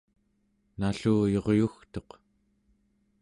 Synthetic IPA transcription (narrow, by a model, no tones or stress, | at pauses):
naɬuːjo̞ʁjuxt̪o̞q